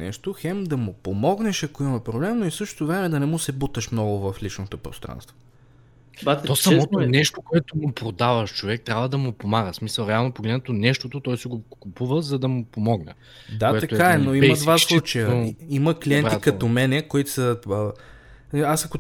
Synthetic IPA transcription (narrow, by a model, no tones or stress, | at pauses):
nɛ̰ʃt̪oxɛmd̪ɐmʊpomɔɡnɛʃɐkoimɐpɾoblɛmnoifsɤʃt̪o̥t̪ʊvɾɛmɛd̪ɐnɛmusɛbut̪ɐʃmnɔɡʊvɐflit͡ʃnot̪opɾo̰st̪ɾa̰nst̪vo | t̪ɔsɐmɔt̪onɛʃt̪okoɛt̪omʊpɾod̪avɐʃt͡ʃovɛk̚t̪ɾʲabvəd̪ɐmʊpomaɡəsmisəlˠɾɛalˠnopoɡlɛd̪nɛt̪onɛʃt̪ot̪ot̪ɔjsɛɡokupuvəzɐd̪ɐmʊpomɔɡnɛ̰ | d̪aoɛt̪ɐtoɛaɛnoimɐd̪vasllˠut͡ʃɐjəimɐkliɛnɾit̪kɐt̪omɛnɛkoit̪səə | asɐko